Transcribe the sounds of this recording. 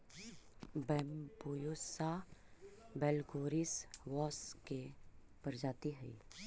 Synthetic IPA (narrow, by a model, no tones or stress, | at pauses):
bɛːmbojosa | bɛːlɡoːɾisʋɔːskeb̥ɐɾd͡ʒaːt̪iɦɛ̰i